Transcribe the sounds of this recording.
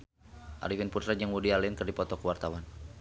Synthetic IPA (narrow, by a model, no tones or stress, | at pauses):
ʔa̰ɾifinput̪ɾad͡ʒəŋwudialinkərdipɔt̪ɔkəwart̪awan